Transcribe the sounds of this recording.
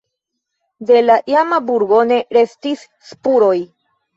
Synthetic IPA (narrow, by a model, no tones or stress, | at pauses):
de̞laʔiamabuɾɡo̞ne̞ɾe̞stis | spuɾo̞j